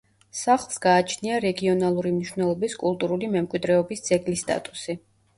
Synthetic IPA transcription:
saχlˠsɡ̥aːt͡ʃʰniaɾɛɡiɔnalˠuɾimniʃvnɛlˠɔbiskʼulˠt̪ʼuɾulimɛmkʼwid̪ɾɛɔbisd̪z̥ɛɡlist̪ʼa̰t̪ʼusi

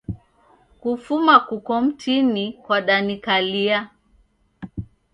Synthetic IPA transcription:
kufumakukɔm̩tʰinikwaɗanikalia

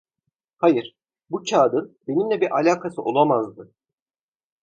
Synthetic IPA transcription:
hajɯɾ̥ | but͡ʃʰaːd̪ɯnbe̞nimlʲɛbiɾʔalʲaːkʰasɯʔo̞lˠamazd̪ɯ

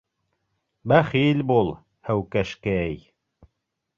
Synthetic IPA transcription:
bæχilʲbulˠ | hæwkæʃkæj

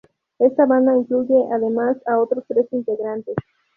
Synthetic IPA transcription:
est̪aβãnd̪aiŋkluʝeʔaðemasaot̪ɾost̪ɾesint̪eɣɾãnt̪es

